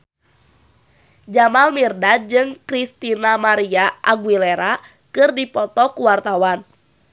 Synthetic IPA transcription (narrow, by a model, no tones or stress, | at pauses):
d͡ʒamalmirdad͡ʒɨŋkɾist̪inamaɾiaʔaɡwileɾa | kɨrdipɔt̪ɔkuwart̪awan